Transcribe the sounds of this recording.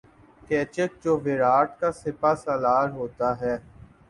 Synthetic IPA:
kɛːt͡ʃək̚d͡ʒoːʋɪɾaːʈkasɪpasaːlaːɾɦoːt̪aɦɛː

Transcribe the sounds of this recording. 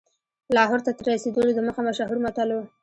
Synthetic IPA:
lɑɦoɾt̪at̪əɾːased̪əlod̪əməxamaʃɑɦɪɾmat̪alow

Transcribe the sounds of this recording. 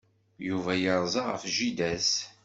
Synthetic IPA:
juvæjəɾˤzˤɑʁə̰fʒid̪æs

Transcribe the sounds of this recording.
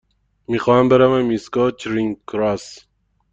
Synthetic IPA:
mixɒːhæmbeɾævæmːiskɒt͡ʃʰɾiŋkɾɑs

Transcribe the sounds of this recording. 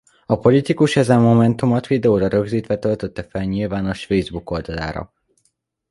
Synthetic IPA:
ɒpo̞lit̪ikuʃɛzɛmːo̞mɛnt̪umot̪ʋid̪ɛoːɾɒɾø̞ɡziːt̪ʋɛt̪ølt̪øt̪ːɛfɛlɲilvaːnoʃfejzbuko̞ld̪ɒla̰ːɾɒ̰

